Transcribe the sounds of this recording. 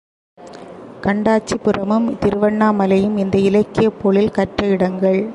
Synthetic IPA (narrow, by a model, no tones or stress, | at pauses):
kɐɳɖaːt͡ʃːipɪrɐmɯmt̪ɪɾɯʋɐɳːaːmɐlɐjɯmɪnd̪ɐɪlɐɪkːɪjɐpːoːɭɪlkɐʈrɐɪɽɐŋɡɐɭ